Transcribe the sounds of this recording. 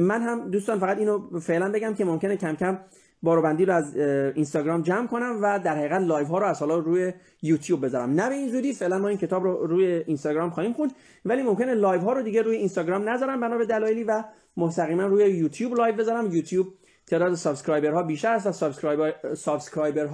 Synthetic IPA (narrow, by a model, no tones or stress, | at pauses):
mænɦæmd̪uːst̪ɒːnfæɣæt̪iːnofe̞ʔlænbe̞ɟæmcʰe̞momkʲe̞necʰæmcʲʰæm | bɒːɾoːbænd̪iːɾoæzinst̪ɒːɡɾɒːmd͡ʒæmkʰo̞næmvæd̪æɾhæiːɣæt̪lɒːjvɦɒːɾoæz̥hɒːlɒːɾuːje | juːt̪ʰjuːb̚ːe̞zɒɾæ̰mnæbe̞iːnzuːd̪iːfe̞ʔlænmɒːiːncʰe̞t̪ɒːbɾoɾuːjeinst̪ɒːɡɾɒːmxɒːhiːmxund̪ | væliːmo̞mkʲe̞ne̞lɒːjvɦɒːɾod̪iːɟeɾuːjeinst̪ɒːɡɾɒːmnæzɒːɾæmbænɒːbe̞d̪ælɒːjeliːvæ | most̪æɣiːmænruːjejuːt̪ʰjuːblɒːjvbe̞zɒːɾæmjuːt̪ʰjuːb̚ | t̪ʰeːd̪ɒːd̪esɒbskɾɒːjbe̞ɾɦɒːbiːʃt̪æɾæst̪væsssɒbskɾɒːjbeɾɦ